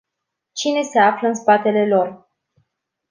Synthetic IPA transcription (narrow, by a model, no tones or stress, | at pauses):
t͡ʃine̞se̞afləɨnspat̪e̞le̞lo̞r